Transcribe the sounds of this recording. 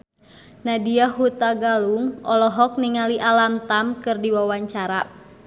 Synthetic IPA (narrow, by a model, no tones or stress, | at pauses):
nadiaɦut̪aɡaluŋɔlɔɦɔk̚niŋaliʔalamt̪amkɨrdiwawaɲt͡ʃaɾa̰